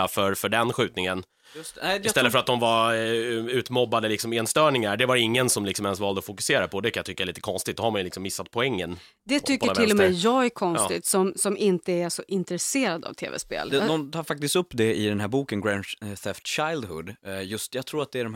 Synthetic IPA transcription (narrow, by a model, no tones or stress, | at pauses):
afœɾfœɖɛnɧʉ̟ːt̪nɪŋən | jɛɪst̪ɛlːəfœɾat̪̚d̪ɔmvaɾ | ʉ̟ːt̪mɔbːad̪əlɪksɔmeːnst̪œːɳɪŋaɖɛvaɾɪŋːənsɔmlɪksɔmɛnsvɑːld̪əɔfʊkɵ̥seːɾapʰɔd̪ɛkʰanjat̪ʏkːaɛliːt̪ə̥kʰɔnst̪ɪɡt̪̚d̪ɔhaɾmanjɵlɪksɔmːɪsːat̪̚pʰɔɛŋːən | d̪ɛt̪ʰʏkːɔəaʈʰɪlːɔmɛjjɑːɡækʰɔnst̪ːɪ̰t̪sɔmsɔmɪnt̪əæʂɔʔɪnt̪ɾɛseːɾad̪a̰vt̪ʰḛːvɛ̰spḛːld̪d̪ɔmt̪ʰɑːɾfak̚t̪ɪst̪ɵpːd̪ɛɪd̪ɛnɦæːɾbuːkənɡɾɛnθɛft̪ɕajld̪hɵ̰d̪jɵst̪jɑɡt̪ʰɾuːɾat̪̚d̪ɛæɖɔm